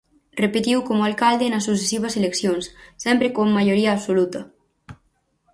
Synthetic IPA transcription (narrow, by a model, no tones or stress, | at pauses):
repet̪iwkomoalkald̪enas̬us̬esiβaseleksjonsːɛmpɾekomːaʎoɾiaːpsolut̪ɐ